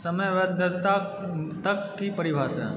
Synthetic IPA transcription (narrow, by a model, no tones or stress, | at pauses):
sɐməjʋɐd̪ʱːət̪a | t̪ɐkːipɐɾibʱaːsɐ̰